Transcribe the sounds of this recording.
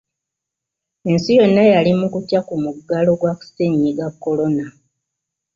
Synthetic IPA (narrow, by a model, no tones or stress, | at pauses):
e̞nsijo̞nːejalimukutjakumuɡalo̞ɡwaku̥seɲːiɡakːo̞lo̞na